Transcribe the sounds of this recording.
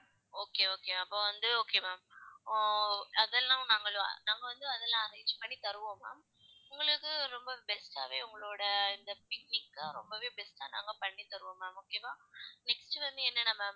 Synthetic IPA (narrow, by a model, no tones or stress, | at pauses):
oːkeoːkeːɐpːoːʋɐnd̪ɯoːkeːmaːmː | ɐðɛlːãːnaːŋɡɐɭ̰̃naːŋɡɐʋɐnd̪ɯɐðɛlːãːɐɾɐŋɡɪt͡ʃːɯ̥pɐɳːit̪ɐɾɯʋõːma̰ː | ʊŋɡɐɭɯkːɯɾɔmbɐbɛsʈa̰ːʋḛːʊŋɡɐɭoːɽɐɪnd̪ɐpɪk̚nɪkːaɾɔmbɐʋeːbɛsʈa̰ːna̰ːŋɡɐpɐɳːit̪ɐɾɯʋoːmaːmoːkemãːnɛksʈɯʋɐnd̪ɯɛnːɐnɐmːɐ